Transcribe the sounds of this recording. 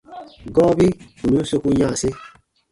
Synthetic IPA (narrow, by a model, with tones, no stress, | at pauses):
ɡɔː˦bi˦ | u˨nu˦so˦ku˦ɲã˦˨se˦